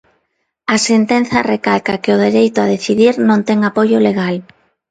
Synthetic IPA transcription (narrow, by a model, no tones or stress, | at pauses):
asent̪ɛn̟θɐrekalkakɪʊð̞eɾejt̪ʊaðeθiðiɾnõnt̪ɛŋapojʊleɣ̞al